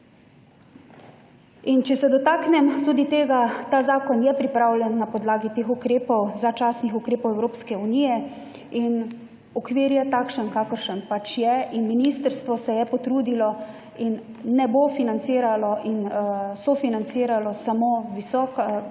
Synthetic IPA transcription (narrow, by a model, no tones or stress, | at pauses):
int͡ʃɛsɛd̪ɔt̪aːknɛmt̪uːd̪it̪eːɡat̪aːzaːkɔnjɛpɾipɾawlʲɛnːapɔd̪laːɡit̪eːxukɾeːpɔwzat͡ʃaːsnixukɾeːpɔwɛwɾoːpskɛunijɛ | in | ɔkʋiːɾjɛt̪aːkʃənkakəɾʃənpat͡ʃjɛinminiːst̪əɾst̪ʋɔsɛjɛpɔt̪ɾuːd̪ilɔ | inː | ɛbofinant̪siːɾalɔʔinsɔfinant̪siːɾalɔsamoʋisɔːka